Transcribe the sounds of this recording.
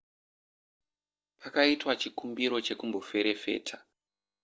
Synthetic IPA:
pakaitwat͡ʃikumbiɾo̞t͡ʃe̞kumbo̞fe̞ɾe̞fe̞̰ːtʰḁ

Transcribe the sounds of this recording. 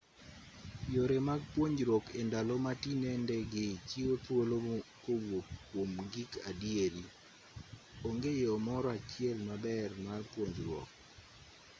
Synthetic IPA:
joɾemaɡ̚pwoɲd͡ʒɾwɔkendalomatinɛndɛɡɪt͡ʃiotwolokowop̚kːwomɡikadieɾi | oŋɡejomɔɾɔat͡ʃɪɛlmabɛrmarpwoɲd͡ʒɾwɔ̰k̚

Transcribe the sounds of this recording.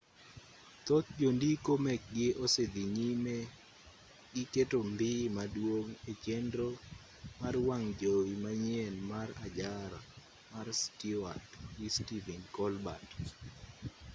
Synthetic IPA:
t̪ot̪̚d͡ʒondikomɛk̚ɡɪʔosed̪iɲime | ɡɪketombɪmadwoŋet͡ʃendɾo | marwaŋd͡ʒoimaɲɛnmarad͡ʒaɾa | marstia̰twistivinkɔlbat

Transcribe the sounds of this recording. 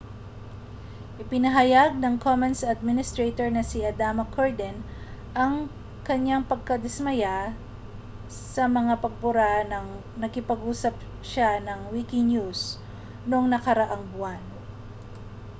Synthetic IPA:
ʔɪpɪnɐɦɐjaɡ̚nɐŋkʰomɐnsɐd̪̚mɪnɪst̪ɾet̪oɹnɐsiʔɐd̪amɐkʰoɹd̪ɛnʔɐŋ | kɐɲjaŋpɐɡ̚kɐd̪ɪsmɐja | sɐmɐŋapɐɡ̚pʊɾanɐŋ | nɐkɪpɐɡuːsɐp̚ | ʃanɐŋwikɪɲjus | noŋnɐkɐɾɐʔaŋbʊwan

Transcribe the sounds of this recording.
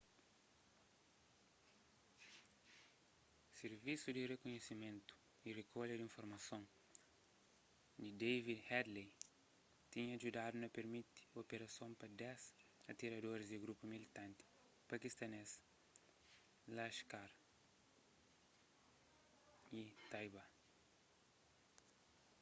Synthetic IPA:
seɾvisud̪irekuɲesimẽnt̪u̥ | irekoʎɐd̪ĩɱfoɾmɐsõ | d̪id̪evid̪hɛd̪le | t̪ĩɲɐɐʒud̪ad̪unɐpeɾmit̪i̥opeɾɐsõmpɐd̪ɛsɐt̪iɾɐd̪oɾizd̪iɡɾupumilit̪ãnt̪i̥ | pɐkist̪ɐnes | laʃkaɾ | it̪ajba

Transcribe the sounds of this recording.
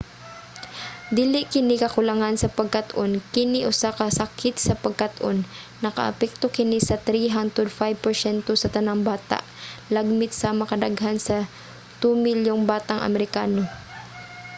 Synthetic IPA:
d̪iːlɪʔkɪnɪkɐkʊlɐŋansɐpɐɡ̚kɐt̪ʔonkɪniʔʊsakɐsɐkʰɪt̪̚sɐpɐɡ̚kat̪ʔonː | ɐkɐ̰ʔɐ̰pɛk̚t̪okɪnisɐt̪ɾiɦand̪ɾɛd̪fajb̚pɛɹsɛnt̪osɐt̪ɐnaŋbaːt̪a̰ʔlaɡ̚mɪt̪sɐmɐkɐd̪aɡɦansɐ | t̪umɪljoŋbaːt̪aŋʔɐ̰mɛɾɪkaːno

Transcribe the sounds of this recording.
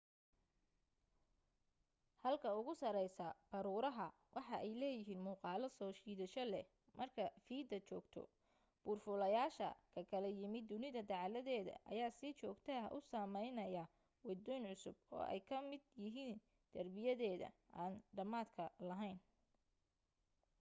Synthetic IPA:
hɐlkʰɐʊɣʊsɐɾɛjsɐb̥ɐɾuːɾɐɦɐ | wʔɑħɑʔɛjlɛːjɪɦiːnmuːqɑːlɐsɔːʃiːðɐʃɔlɛ | mʔɐrkʰɐfiːd̪ɐt͡ʃɔːɡt̪ʰɔ̰ | b̥ʊːrfʊlɐjaːʃɐ̰kʰɐkʰɐlɐjɪmɪd̪ʊnɪðɐd̪ɑʕlɐðɛːðɐ̰ʔɐ̰jaːsɪt͡ʃɔːɡt̪ʰɐɦʔʊsɐmɛjnɐjɐ | wɑd̪ɔːjnʕʊsʊbɔ̰ːʔɛ̰jkʰɐmɪd̪jɪɦiːn | d̪̥ɐrbɪjɐðɛːðɐ̰ʔaːnɖɐmaːd̪kʰɐlɐɦɛjn

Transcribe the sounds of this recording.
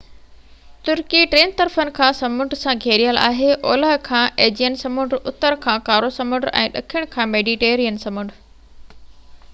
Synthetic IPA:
t̪ʊɾkiʈɾeːnt̪ɐɾfənɪ̆kʰãːsɐmʊ̃ɳʈsãɡʱeːɾijəla̰ːɦeʔɔːləɦkʰãːʔeːd͡ʑijənsɐmʊ̃ɳɖʊt̪əɾkʰãːkaːɾosɐmʊ̃ɳɖɛ̰̃ːɗɐkʰijəɽ̃kʰãːmeːɖiʈeːɾijənsɐ̃mʊɳɖ

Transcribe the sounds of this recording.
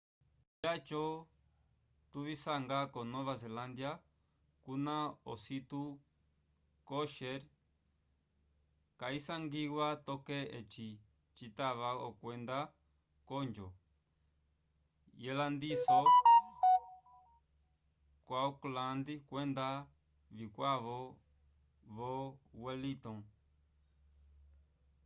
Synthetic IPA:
jat͡ʃo | t̪uβisaŋɡakonõβaseland̪ja | kunãosit̪u | koʃeɾ | kaisaŋɡiwʷat̪okeet͡ʃi | t͡ʃit̪aβaokʷend̪a | kond͡ʒo | jeland̪iso | kʷaoklãnd̪ikʷend̪a | βikʷaβo | βowelit̪õ

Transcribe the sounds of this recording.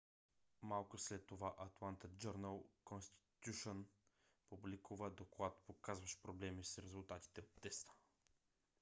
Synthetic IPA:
malˠkʊslɛt̪ːovaʔɐt̪lˠant̪əd͡ʒəɾnəlˠkonst̪i̥t̪ʲjuʃon | publikuvəd̪oklˠat̪pokazvɐʃpɾoblɛmisɾɛzʊlˠt̪at̪i̥t̪ɛot̪ːɛst̪ə̥

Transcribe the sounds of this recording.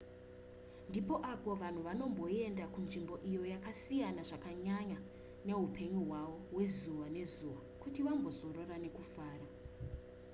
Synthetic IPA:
ndipo̞ʔapo̞ʋan̤uʋano̞mbo̞e̞ndakunʐimbo̞ʔijo̞jakasijanaʐakaɲaɲa | ne̞ɦupʰe̞ɲuɦwaʋo̞we̞zuʋane̞zuʋakutiʋambo̞zo̞ro̞rane̞kufaːra

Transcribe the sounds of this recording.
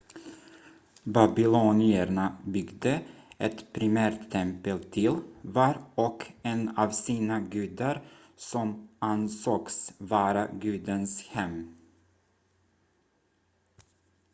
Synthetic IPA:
babɪluːnɪəɳabʏɡd̪əʔɛt̪pʰɾɪmæːɾt̪ʰːɛmpəlt̪ʰɪlvɑːɾɔkɛnɑːvsiːnaɡʉ̟ːd̪aɾ | sɔmʔansoːksvɑːɾaɡʉ̟ːd̪ənshɛm

